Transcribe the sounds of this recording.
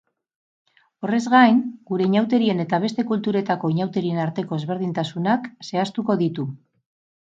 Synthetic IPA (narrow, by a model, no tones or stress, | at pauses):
o̞re̞zɣajŋɡuɾe̞iɲawt̪̬e̞ɾie̞ne̞t̪aβ̞e̞st̪e̞kult̪uɾe̞t̪ako̞iɲawt̪e̞ɾie̞naɾt̪e̞ko̞e̞zβ̞e̞ɾð̞int̪asunakse̞ast̪uko̞ðit̪u